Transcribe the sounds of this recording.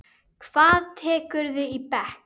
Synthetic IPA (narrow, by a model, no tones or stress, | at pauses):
kʰv̥aːðt̪ʰɛːkʏɾðɪipɛhk